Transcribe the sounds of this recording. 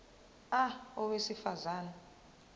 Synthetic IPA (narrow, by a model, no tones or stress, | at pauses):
aɔwesifazaːna